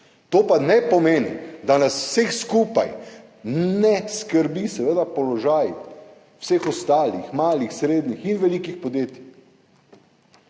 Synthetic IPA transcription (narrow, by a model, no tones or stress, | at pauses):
t̪oːpanɛpɔmeːnḭd̪anaswsexskuːpa̰j | nɛskəɾbisɛʋeːd̪apɔlɔʒaːj | wseːxɔst̪aːlixmaːlixsɾeːd̪nixinʋɛliːkixpɔd̪jeːt̪i